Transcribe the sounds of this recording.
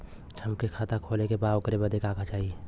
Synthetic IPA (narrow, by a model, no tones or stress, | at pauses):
t͡ʃʰəmkekʰaːt̪akʰoːlekepaːokəɾebad̪ekaːkʰat͡ʃaːɦie